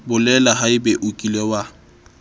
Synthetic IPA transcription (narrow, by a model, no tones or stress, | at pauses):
bʊlɛlaɦaɪbeʔukʼilewa